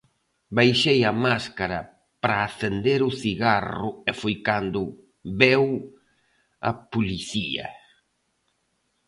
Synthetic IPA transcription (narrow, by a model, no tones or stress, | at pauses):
bajʃejɐmaskaɾɐ | pɾaːθend̪eɾʊθiɣarʊɛfojkand̪ʊ | βɛw | ɐ̰puliθiɐ̰